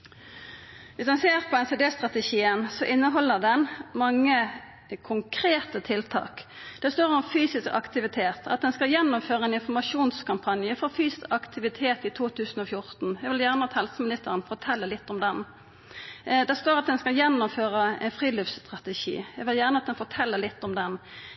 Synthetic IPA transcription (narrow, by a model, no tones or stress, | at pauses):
ʋɪsd̪ɛnseːʁpʰɔɛnseːd̪eːst̪ʁɑt̪ɛʃiːənsɔʔɪnːəɦɔlːəʁd̪ɛnmɑŋːə | kʰʊŋkʰɾeːt̪ət̪ʰɪlt̪ʰɑ̰ːkd̪̥ɛst̪oːʁɔmfyːsɪskɑ̰kt̪ɪʋɪt̪ʰeːt̪ʰɑ̰t̪̚d̪ɛnskɑljɛnːʊmføːʁəɛnɪnfɔɾmɑʂuːnskʰɑmpʰɑnjəfɔfyːsɑkt̪ʰɪʋɪt̪ʰeːt̪ɪt̪ʰuːt̪ʰʉːsən̩ɔfjʊɾt̪n̩jɛɡʋɪljæʁnəɑt̪hɛlsəmɪnɪst̪əʁənfɔʈʰɛlːəlɪt̪ːɔmd̪ɛn | d̪ɛst̪oːɾɑt̪̚d̪ɛnskɑljɛnːʊmføːɾəɛ̰ɪnfʁiːlyːfst̪ʁɑt̪ɛʃḭːjɛɡʋɪljæʁnəɑt̪̚d̪ɛnfɔʈʰɛlːəɾlɪt̪ːɔmd̪ɛn